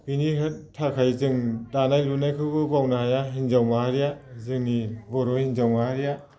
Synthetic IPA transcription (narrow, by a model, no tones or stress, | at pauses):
piniɦɯt̚tʰːakʰajzɯŋdanajlunajkʰɯɡɯbawnahajaɦinzawmahaɾijazɯŋnibɔɾɔhinzawmahaɾija